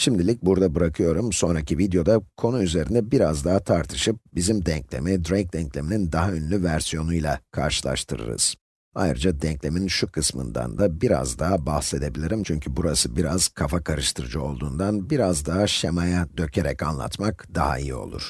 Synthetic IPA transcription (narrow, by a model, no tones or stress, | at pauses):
ʃimd̪ilʲic̚buɾd̪abɯɾakʰɯjo̞ɾumso̞nɾacʰivid̪jo̞d̪akʰo̞nuyze̞ɾind̪ɛbiɾazd̪aɦat̪ʰaɾt̪ʰɯ̥ʃɯp̚bizimd̪ɛɲclʲe̞̰mid̪ɾejk̚d̪ɛɲclʲe̞minind̪aɦaønylʲyvæɾsijo̞nujlˠa̰kʰa̰ɾʃɯlˠa̰ʃt̪ʰɯɾɯ̰ɾɯ̰z̥ | a̰jɾɯd͡ʒad̪ɛɲclʲe̞minʃukʰɯsmɯ̰nd̪a̰nd̪abiɾa̰zd̪aːbahse̞d̪e̞bilʲiɾimt͡ʃʰyɲcʰybuɾasɯbiɾaz̥kʰafakʰaɾɯʃt̪ʰɯɾɯd͡ʒɯo̞lˠd̪uːnd̪anbiɾazd̪aːaʃemajad̪ø̞cʰe̞ɾɛcanlˠa̰t̪makd̪aɦa̰ḭjḭo̞̰lˠṵɾ̥